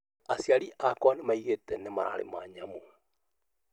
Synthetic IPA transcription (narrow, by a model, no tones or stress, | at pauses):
asiaɾiʔakwanemaiɣetɛnemaɾʔa̰ɾḛma̰ɲamo